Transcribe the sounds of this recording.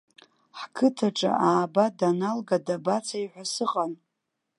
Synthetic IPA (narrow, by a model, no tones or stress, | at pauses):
ħkʰɨtʰaʈ͡ʂʼa̰ʔaːbadanalɡadabat͡sʰaiħʷasɨqʼan